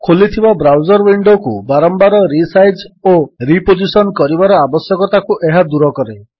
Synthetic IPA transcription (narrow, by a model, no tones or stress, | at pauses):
kʰolit̪ʰibabɾawd͡ʒɔɾwiɳɖokṵbaɾɔmbaɾɔɾisajd͡ʒoɾipod͡ʒisɔnkɔɾibaɾɔabɔsjɔkɔt̪akuʔeɦad̪uɾɔkɔɾe